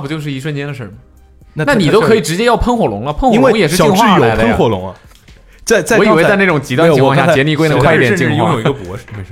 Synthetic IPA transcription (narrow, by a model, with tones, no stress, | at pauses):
pu˨˩t͡ɕjo˥˧ʊʂ̬ɻ̩˥˩i˧˥ʂwə˥˧nt͡ɕjɛ˥nd̪ə˨ʂə̰˥˩mə˩ | nna˥˩ni˨t̪o˥kʰɤ˧˥i˨˩ʈ͡ʂɻ̩˧˥t͡ɕjɛ˥jɑ˥˩ʊpʰə˥nxwɔ˨˩lʊ˧˥ŋlə˧pʰə˥˧nxlŋjɛ˨˩ʂɻ̩˥˧˨ŋxɻ̩˥˩˥jo˨ʊ˥ə˥˧nxwɔ˨˩lʊ̰˧˥ŋɐ̰˧ | t͡sa˥˧ɪt͡sa˥˧ɪwi˨˩we˥ɪ˥t͡sa˥˧ɪn˥˩ʈ͡ʂʊ˨˩ŋt͡ɕi˧˥t̪wɕa˥˧˥jɛ˧˥nli˥˧kwe˥ɪnə˧kʰi˥˧˩jɛ˨˧t͡ɕi˥ŋ˧˥a˥˧˥jo˨˩i˥ɡə˧˩pwɔ̰˧˥ʂe˧˩